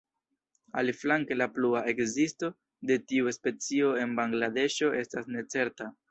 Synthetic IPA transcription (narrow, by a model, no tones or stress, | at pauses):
a̰liflaŋke̞lapluae̞kzisto̞ | de̞tiuspe̞t͡sio̞e̞nbaŋɡlade̞ʃo̞ʔe̞stasne̞t͡se̞ɾta